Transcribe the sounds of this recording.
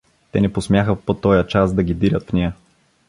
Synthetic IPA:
t̪ɛnɛposmjaxəpot̪ɔjət͡ʃasd̪ɐɡid̪iɾʲət̪fnɛjə

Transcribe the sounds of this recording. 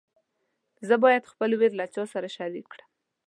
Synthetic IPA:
zəbɑjad̪xpəlweɾlat͡ʃɑsaɾaʃɑɾikɽəm

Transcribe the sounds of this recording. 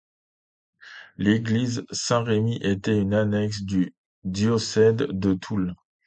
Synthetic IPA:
leɡlizsɛ̃ʁemiʔet̪ɛynanɛksd̪y | d̪jɔsɛd̪ːət̪ʰul

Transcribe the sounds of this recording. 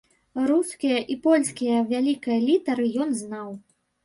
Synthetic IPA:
ɾuskʲijɐʔipɔlʲskʲijɐvʲalʲikɐjɐlʲit̪ɐɾɨjɔnznaw

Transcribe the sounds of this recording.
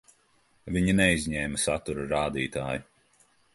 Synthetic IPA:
viɲinɛizʲɲɛːmɐsat̪uɾuɾaːd̪iːt̪aːju

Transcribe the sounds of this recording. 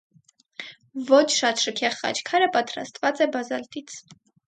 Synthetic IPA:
vɔt͡ʃʰʃɑt̪ʃəkʰɛχχɑ̰t͡ʃʰkʰɑɾəpɑt̪ɾɑ̰st̪vɑt͡sɛbɑzɑlt̪it͡sʰ

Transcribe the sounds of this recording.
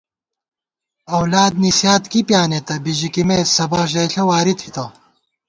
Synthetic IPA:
ɐwlaːd̪̚nisjaːt̪kipjaːnet̪ɐbiʑikimeːsɐbɐqʑeːɬɐwaːɾit̪ʰhit̪ɐ

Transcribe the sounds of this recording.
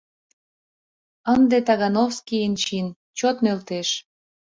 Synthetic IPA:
ənd̪et̪ɑɣɑnofskient͡ɕin | t͡ɕot̪nølt̪eʃ

